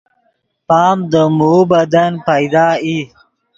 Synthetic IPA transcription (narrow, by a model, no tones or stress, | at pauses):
pɑːmd̪əmubad̪anpajd̪ɑːi